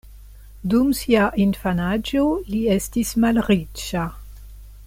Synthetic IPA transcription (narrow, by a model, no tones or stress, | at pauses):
dumsiaʔinfanad͡ʒoliestismalʁit͡ʃa